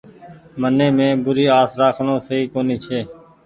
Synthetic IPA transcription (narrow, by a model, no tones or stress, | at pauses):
mənːẽːmẽːbʊɾiːaːsɾaːkʰɳõːsəiːkoːniːt͡ʃʰeː